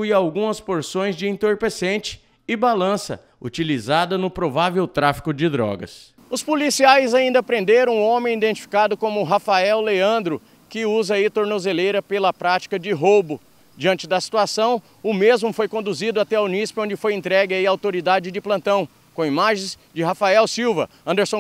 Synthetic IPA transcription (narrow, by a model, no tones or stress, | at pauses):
ɪawɡũmɐspoɾsõj̃zd͡ʒɪẽt̪oɾpesẽnt͡ʃɪ̥ | ɪbalɐ̃sɐ̰ | ut͡ʃilizad̪ɐnʊpɾovavewt̪ɾafi̥kʊd͡ʒɪd̪ɾɔ̰ɡɐ̰s | ʊspolisiajzaĩnd̪ɐpɾẽnd̪eɾɐ̃w̃õmẽj̃id̪ẽnt͡ʃi̥fi̥kad̪ʊkõmʊɦafaɛwleɐ̃nd̪ɾʊ | kɪuzɐit̪oɾnozelejɾɐpelɐpɾat͡ʃi̥kɐd͡ʒɪɦobʊ | d͡ʒiɐ̃nt͡ʃɪd̪ɐsi̥t̪uasɐ̃w̃ | ʊmezmʊfojkõnd̪uzid̪ʊat̪ɛaunispɪõd͡ʒɪfojẽnt̪ɾɛɡɪɐiɐawt̪oɾid̪ad͡ʒɪd͡ʒɪplɐ̃nt̪ɐ̃w̃ | kõimaʒẽj̃zd͡ʒɪɦafaɛwsiwvɐɐ̃nd̪eɾsõ